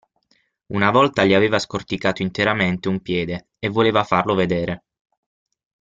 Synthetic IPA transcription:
unavɔlt̪aʎiaveːvaskort̪ikaːt̪oint̪eɾament̪eumpjɛːd̪e | evːoleːvafarloved̪eːɾʔe

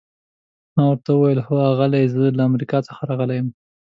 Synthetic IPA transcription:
mɑwəɾt̪aəwajəlhoaɣalajzəlaːmɾikɑt͡səxaɾɑɣəlajəm

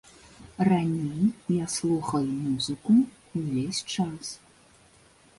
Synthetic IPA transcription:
ranʲejjaslˠuxɐjmuzɨku | uvʲesʲt͡ʂas

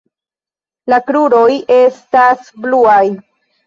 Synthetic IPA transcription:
lakɾuɾo̞je̞stasbluaj

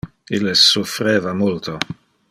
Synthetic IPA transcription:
ilːesufɾeːvamult̪o

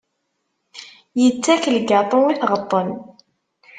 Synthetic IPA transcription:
jət͡sːækəlɡɑt̪ˤəniθʁət̪ˤːən

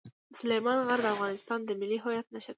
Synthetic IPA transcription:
sʊlejmɑnɣaɾd̪əafɣɑnɪst̪ɑnd̪əmɪlːiɦojat̪̚naʃəd̪

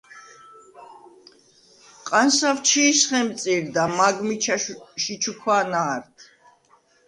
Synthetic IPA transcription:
qʼansavt͡ʃʰiːsχɛmt̪t͡ssʼiɾd̪amaɡmiʃit͡ʃʰukʰwaːnaːɾt̪ʰ

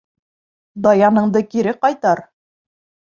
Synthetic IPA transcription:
d̪ɑjɑnɤ̆ɴd̪ɤkiɾɘqɑjt̪ɑɾ

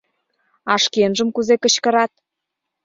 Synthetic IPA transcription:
ɑʃkenʒə̆mkuzekə̆t͡ɕkə̆ɾɑt̪̚

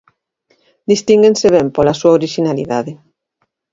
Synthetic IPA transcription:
d̪ist̪iŋɡẽnseβ̞ɛmpolasuaoɾiʃinalḭðaðe

